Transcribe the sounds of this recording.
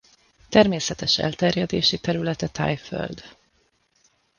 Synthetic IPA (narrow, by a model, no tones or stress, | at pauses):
t̪ɛrmeːsɛt̪ɛʃɛ̰lt̪ɛrjɛd̪eːʃit̪ɛɾylɛt̪ɛt̪ʰa̰jfø̰ld̪